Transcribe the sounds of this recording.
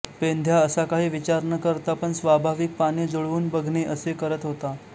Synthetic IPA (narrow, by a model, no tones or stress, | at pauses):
pend̪ʱjaəsakaɦiːʋit͡ɕaɾnəkəɾt̪apəɳsʋabʱaʋik̚paned͡zoɭʋuːnbəɡʱɳeʔəsekəɾət̪ɦot̪a